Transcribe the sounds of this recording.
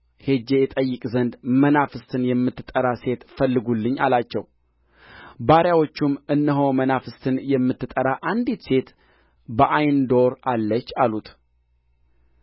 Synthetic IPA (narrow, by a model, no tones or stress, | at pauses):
he̞d͡ʒejɛt̪ʼəjːɨkʼzənd̪mənafɨst̪ʰɨnjɛmːɨt̪ːɨt̪ʼːəɾase̞t̪fəlːɨɡulːɨɲːa̰lat͡ʃːɛ̰w | baɾjawo̞t͡ʃːumɨnːəɦomənafɨst̪ʰɨnjɛmːɨt̪ːɨt̪ʼːəɾaʔand̪it̪se̞t̪ | bəʔajnd̪o̞ɾʔalːət͡ʃːalut̪